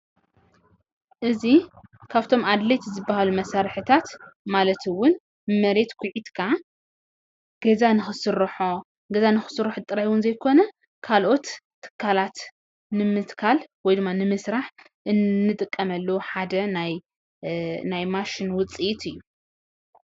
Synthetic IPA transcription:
ʔɨzikʰaβt̪ʰo̞mad̪le̞t̪zɨbːahalumɐsaɾħɨt̪ʰat̪malɐt̪ʰɨwʊn | mɐɾe̞t̪kʷʰʊʕid̪kʰa | ɡ̥ɐzanɨxɨsɨɾħo | ɡɐzanɨxɨ̥sɨɾɨħɨt̪ʼɨɾaħwʊnzɐjkʰo̞nɐ | kʰalʔo̞t̪ʰː | ɨ̥kʰːalat̪ | nɨmɨt̪kʰalwɔjd̪ɨmːanɨmɨsɾaħ | ʔɨnːɨt̪ʼɨkʼːɐmɐlːɐwuħad̪ɐnaj | najmaʃinwʊt͡sʼiʔit̪ʰɨjːu

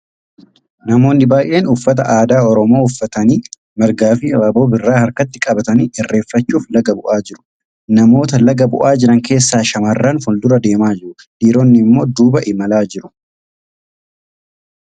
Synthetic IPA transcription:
nɐmo̞ːnːɪbaːjʔe̞ːnʊfːɐt̪ɐʔaːd̪aːɔɾɔmo̞ːʊfːɐt̪ɐniː | mɐɾɡaːfɪaːbo̞ːbɪrːaːhɐɾkɐt̪ːɪkʼɐbɐt̪ɐniːɪrːe̞ːfːɐt͡ʃːuːflɐɡɐbʊʔaːd͡ʒɪɾʊ̥ | nɐmo̞ːt̪ɐlɐɡɐbʊ̰ʔaːd͡ʒɪɾɐŋke̞ːsːaːʃɐmɐrːɐnfʊnd̪ʊɾɐd̪e̞ːmaːd͡ʒɪɾʊ | liːɾonːɪmːo̞ːd̪uːbɐʔɪmɐlaːd͡ʒɪɾʊ̥

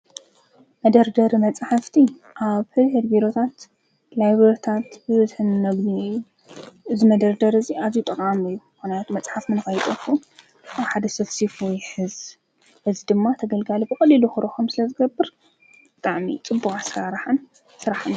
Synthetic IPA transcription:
mɐd̪ɐɾd̪ɐɾimɐt͡sʼħaft̪ʰi | ʔaβhɨlhed̪biɾo̞t̪ʰat̪ | lajβɐɾt̪ʰat̪bɨβɨzħɨnmɐɡniu | ɨzimɐd̪ɐɾd̪ɐɾɨziazjut̪ʼɨkʼamɨjːuxunjat̪mɐt͡sʼħafmɨnɨxɐjt̪ʼɐfu | ʔaβħad̪ɐsɐβsifujħɨz | bɨzid̪ɨmːat̪ʰɐɡɐlɡalibɨkʼɐlːiluxɨɾoxomsɨlɐzɨɡɐbːɨɾ | bɨt̪ʼaʕmḭt͡sʼɨbːukʼasɾaɾħɨn | sɨɾaħɨn

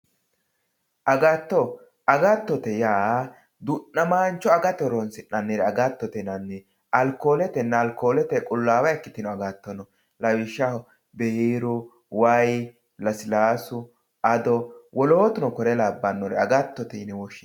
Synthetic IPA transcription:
ʔɐɡɐt̪ːɔ | ɐɡɐt̪ːɔt̪ɛjaː | d̪ʊʔnɐmaːnt͡ʃːɔɐɡɐt̪ːɔɾɔnsɪnɐnːɪɾɛɐɡat̪ːɔt̪ɛnɐnːɛ | ɐlkoːlɛt̪ɛnːɛːlkoːlɛt̪ɛkʼʊlːaːwɐɛkːɪt̪ɪnɔɐɡat̪ːɔnɔ | lɐwɪʃːɐhɔ | bɛiːɾʊ | wɐj | lɐsɪlaːsʊ | ɐd̪ɔwʔɔloːt̪ʊnɔkɔɾɛlabːɐnːɔɾɛ̰ɐɡɐt̪ːɔt̪ɛnɛwɔʃɪ

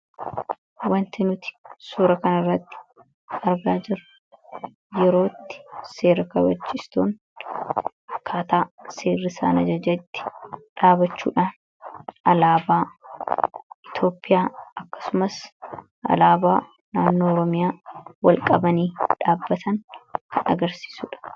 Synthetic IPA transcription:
wɐnt̪ɪnʊt̪ɪ̥suːɾɐkɐnɐrːɐt̪ːɪ̥ | ɐɾɡaːd͡ʒɪɾʊ | jɛɾo̞ːt̪ːɪ̥se̞ːɾɐkɐbɐt͡ʃːɪst̪o̰ːŋ | kʰaːt̪aːse̞ːrːɪsa̰ːnɐd͡ʒɐd͡ʒɐɪt̪ːɪ̥ᶑaːbɐt͡ʃːṵːᶑaːn | ɐlaːbaː | ɪt̪o̞ːpʼːɪjaːɐkːɐ̥sʊmɐs | ʔɐ̰laːbaː | naːnːo̞ːɔɾɔmɪjaːwɐlkʼɐbɐniːᶑaːbːɐt̪ʰɐŋkʰɐnɐ̰ɡɐɾsi̥ːsuːᶑɐ̥

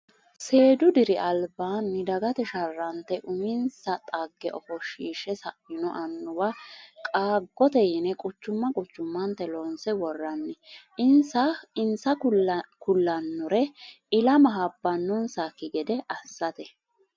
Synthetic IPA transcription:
se̞ːd̪ʊd̪ɪɾɪʔɐlbaːnːɪd̪ɐɡɐt̪ɛʃɐrːɐnt̪ɛʔʊmɪnsɐt̪ʼɐɡːɛʔɔfɔʃiːʃɛsɐʔɪnɔʔɐnːʊwakʼaːɡːɔt̪ɛjɪnɛkʼʊt͡ʃːʊmːɐkʼʊt͡ʃːʊmːɐnt̪ɛlɔnsɛwɔrːɐnːɛʔɪnsɐɪnsɐkʊlːɐnːɔɾɛ | ɪlɐmɐɦɐbːɐnːʊnsakːɪɡɛd̪ɛʔɐsːɐt̪ɛ

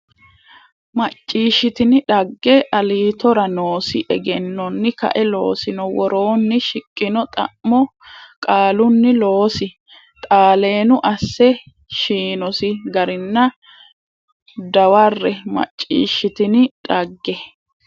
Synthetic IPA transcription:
mɐt͡ʃʼːiːʃːɪt̪ɪnɪᶑɐɡːɛʔɐliːt̪ɔɾɐnoːsɪʔɛɡɛnːɔnːɪkɐ̰ʔɛlo̞̰ːsɪnɔwɔɾo̞ːnːɪʃɪkʼːɪnɔt̪ʼɐ̰ʔmːɔkʼaːlʊnːɪlo̞ːsɪ | t̪ʼaːle̞ːnʊʔɐsːɛ | ʃiːnɔsɪɡɐɾɪnːɐ | d̪ɐwɐrːɛmɐ̰t͡ʃʼːḭːʃːɪt̪ɪnɪᶑɐɡːɛ

